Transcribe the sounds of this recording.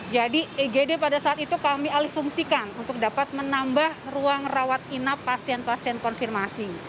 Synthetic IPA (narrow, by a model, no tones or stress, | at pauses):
d͡ʒadieɡedepadasaat̪̚it̪ukamialihfuŋsikanunt̪ʊk̚dapat̪̚mənambahruaŋrawat̪̚inapːasiɛnpasiɛnkɔnfirmasi